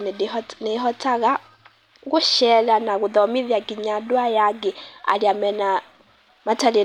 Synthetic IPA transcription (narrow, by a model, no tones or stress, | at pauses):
nnɛɦɔtaɣa | ɣuʃɛlanaɣuðɔmiðjaɡiɲadwajaɡɛa̰liamɛna | matali